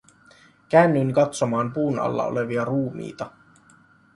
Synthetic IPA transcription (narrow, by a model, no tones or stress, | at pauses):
k̟æːnːyŋkɑt̪so̞mɑːmpuːnɑ̰lːɑ̰o̰leʋiɑruːmḭːt̪ɑ